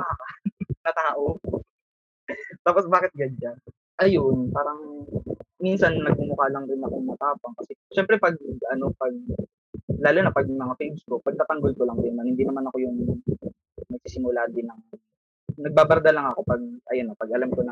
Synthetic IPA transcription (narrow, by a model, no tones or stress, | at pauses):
bakanɐt̪aːʔo | t̪aːposbaːkɪt̪̚ɡɐd͡ʒa | ʔɐjonpaːɾɐŋ | minsɐnnɐɡ̚mʊkaːlɐŋɾɪnɐkoŋmɐt̪aːpɐŋkɐsɛʃɛmpɾɛpɐɡ̚ʔɐno̞pɐɡ̚ | laːlonapɐɡ̚mɐŋafejmsbʊk̚pɐɡ̚kapɐŋɡolkolɐŋdnːɐŋhɪnd̪iːnɐmanɐko̞jʊŋ | mɐɡ̚sisɪmʊlaːd̪ɪnɐŋ | nɐɡ̚baːbɐɾd̪ɐlɐŋɐko̞pɐɡ̚ʔɐjonːɐpɐɡʔɐlamkonɐ